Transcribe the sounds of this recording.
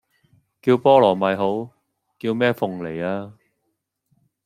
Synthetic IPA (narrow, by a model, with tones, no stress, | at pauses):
kiː˧wpɔː˥lɔː˨˩mɐ˨jɦo˨˥w | kiː˧wmɛː˥fʊ˨˩ŋle˨˩jaː˧